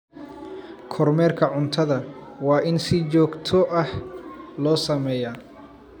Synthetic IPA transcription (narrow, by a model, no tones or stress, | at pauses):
kʰɔrmɛːrkʰɐʕʊnt̪ʰɐðɐwɑːʔɪnsɪt͡ʃɔːɡt̪ʰɔʔɐhlɔːsɐmɛːja